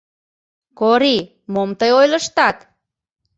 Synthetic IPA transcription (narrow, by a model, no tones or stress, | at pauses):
koɾi | momt̪əjojləʃt̪ɑt̪